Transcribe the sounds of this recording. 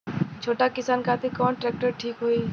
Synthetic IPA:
t͡ʃʰoːʈakɪsaːnkaːt̪ikɔːnʈɾɛːk̚ʈəɾʈʰiːkɦoːiː

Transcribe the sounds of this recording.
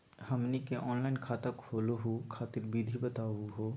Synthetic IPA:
hɐmnikeʔɔːnlaːɪnkʰaːt̪akʰoːloɦokʰaːt̪ɪɾbiːd̪ʱibət̪aːuɦoː

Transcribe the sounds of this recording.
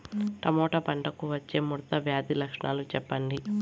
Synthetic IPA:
ʈɐmoːʈɐpɐɳʈɐkuʋɐt͡ʃːe̞ːmuɾɐt̪ɐʋjaːd̪ilɐkʂɳʔa̰ːlut͡ʃɛpːɐɳɖi

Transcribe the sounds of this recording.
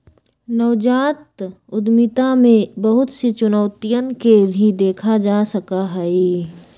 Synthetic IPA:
nəʋd͡ʒaːt̪ | ʊd̪mɪt̪amẽbɐɦʊt̪set͡ʃʊnɔːt̪ijənkebʱid̪eːkʰad͡ʒaːsɐkaɦɛi

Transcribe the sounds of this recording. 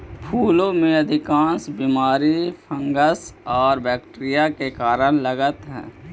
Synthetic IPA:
pʰuːlõmẽɐd̪ʱɪkãːnsbiːmaːɾipʰə̃ŋɡəsɔːɾbɛːkʈɾijakekaːɾəñləɡət̪ɦɛ̰̃ː

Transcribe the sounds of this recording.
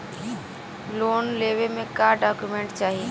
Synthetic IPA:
loːnleːwemẽkaːɖaːkjumẽːɳʈt͡ʃaːɦie

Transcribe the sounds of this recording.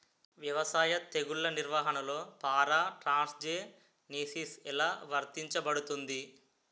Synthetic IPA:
ʋjɐʋɐsaːjɐt̪eɡuɭːɐniɾʋaːɦɐnɐlo̞ːpaːɾaːʈɾaːnsd͡ʒeː | niːsisɛlaːʋɐɾt̪iɲt͡ʃɐbɐɽut̪und̪i

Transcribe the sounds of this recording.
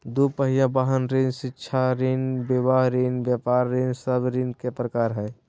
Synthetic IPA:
d̪upəɦijabaɦənɾẽnsɪːʃʰaɾinbebaɦɾinbjapaːɾːensəbʱɾinkepɾəkaːɾɦɛː

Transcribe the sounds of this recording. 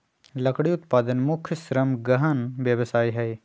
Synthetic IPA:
lɐkʰɽiʊt̪paːd̪ənmʊkʰjʃɾɐmɡɐɦənʋjɐʋsaːiɦɛj

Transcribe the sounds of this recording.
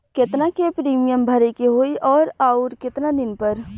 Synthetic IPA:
kɪt̪nakepɾiːmijəmbʱɐɾekeɦoːiʔɔːɾaːʊɾkɪt̪nad̪ɪnpɐɾ

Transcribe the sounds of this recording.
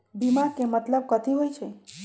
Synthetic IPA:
bimakemət̪ləb̚kət̪iɦojt͡ʃʰe

